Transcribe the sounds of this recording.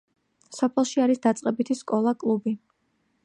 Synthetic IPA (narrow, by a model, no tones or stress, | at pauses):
sɔpʰɛlˠʃiaɾisd̪at̪sʼqʼɛbit̪ʰiskʼɔlˠakʼlˠubi